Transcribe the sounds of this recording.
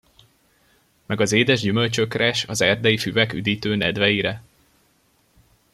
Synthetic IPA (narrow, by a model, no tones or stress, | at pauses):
mɛɡɒzeːd̪ɛʒɟymølt͡ʃø̞krɛʃɒzɛrd̪ɛjifyvɛky̰d̪iːt̪øːnɛd̪ʋɛjiɾɛ